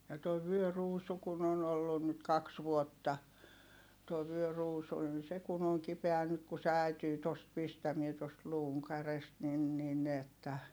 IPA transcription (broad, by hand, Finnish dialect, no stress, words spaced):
jɑ toi ʋyøruːsu kun on olːun nyt kɑks ʋuotːɑ tuoi ʋyøruːsu nin se kun oŋ kipeæ nyt ku se æˑityː tost pistæmie tost luːŋ kærest nin nin etːæ